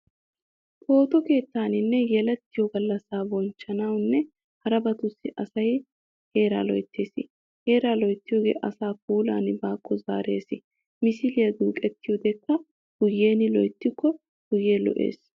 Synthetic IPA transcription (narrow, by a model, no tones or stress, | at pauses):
t̪ʰo̞ːt̪ɔke̞ːt̪ːaːnɪnːɛjɛlɛt̪ːɪjɔɡɐlːɐsaːbɔnt͡ʃːɐnɐwnːɛ | hɐɾɐbɐt̪ʊsːɪʔɐsɐj | he̞ːɾa̰ːlɔ̰jt̪ʰːeːsɪ̰ | he̞ːɾaːlɔjt̪ːɪjoːɡḛːʔɐsaːk̚uːla̰ːnbaːkʼːɔza̰ːɾḛːsɪ | mɪsɪlɪjɐd̪uːkʼɛt̪ːɪjɔd̪ɛkːɐ | ɡ̥ʊjːeːnɪlɔjt̪ːɪkːɔ | ɡ̥ʊjːeːlɔ̰ʔḛːs